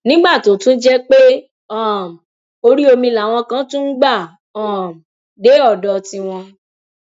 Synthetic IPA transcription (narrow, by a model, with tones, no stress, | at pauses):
nĩ˦ɡ͡ba˦˨to˨˦tũ˦d͡ʒɛ˦k͡pe˦ | ɔ˦˨ | o˧ɾi˦o˧mĩ˧la˨w̃ɔ̃˧kã˦tũ˦n̩˦ɡ͡ba˦˨ | ɔ̃˦˨m˨ | de˨˦ɔ˦˨dɔ˧tĩ˧w̃ɔ̃˧